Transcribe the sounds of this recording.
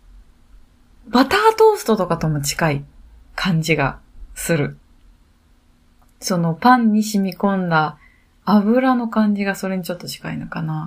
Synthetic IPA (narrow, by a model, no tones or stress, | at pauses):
bat̪aːt̪o̞ːsɨ̥t̪o̞t̪o̞kat̪o̞mo̞t͡ɕi̥kaikʰãɲ̟d͡ʑiɡa̰sɨɾɯ̟ | so̞no̞pãɲ̟ːiɕimʲikõ̞nd̪aː | βɯ̟ɾano̞kãɲ̟d͡ʑiɡaso̞ɾe̞ɲ̟it͡ɕo̞t̪ːo̞t͡ɕi̥kainokana